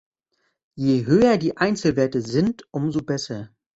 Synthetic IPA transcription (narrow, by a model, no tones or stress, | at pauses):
jeːɦøːɐdiːʔaɪnt͡sl̩veːɐtəzɪntʔʊmzobɛsɐ